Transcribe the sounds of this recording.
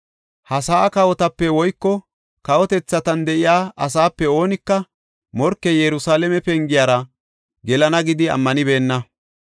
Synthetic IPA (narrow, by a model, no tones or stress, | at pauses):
hɐsaːkɐwɔt̪ɐpːɛwɔjkːɔ | kɐwɔt̪ɛt͡sːɐt̪ɐnd̪ɛʔɪjaːʔɐs̬aːpːɛo̞ːnɪkːɐ | mɔɾkːɛjɛɾʊsaːlɛmɛpɛŋɡɪjaːɾɐ | ɡɛlɐnɐɡɪd̪ɪɐ̰mːɐnɪbe̞ːnːɐ